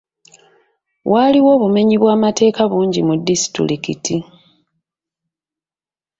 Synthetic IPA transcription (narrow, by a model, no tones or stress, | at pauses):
wʔaliwo̞ːβume̞ɲiβwaːmate̞ːkaβuːɲɟimudːisi̥tḭɾikiti